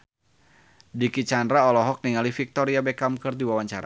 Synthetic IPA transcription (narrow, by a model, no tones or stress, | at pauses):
dikit͡ʃandɾaɔlɔɦɔk̚niŋalifik̚t̪ɔɾiabɛkamkɨrd̪iwawaɲt͡ʃaɾa̰